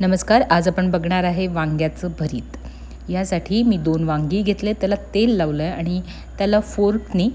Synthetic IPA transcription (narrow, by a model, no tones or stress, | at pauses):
nəməskaɾad͡zapəɳbəɡɳaɾaɦeʋãŋɡjat͡səbʱəɾiːt̪ | jasaʈʰiːmiːd̪onʋãŋɡiːɡʱet̪let̪jalat̪elːaʋləaɽ̃i | t̪jalafoɾkniː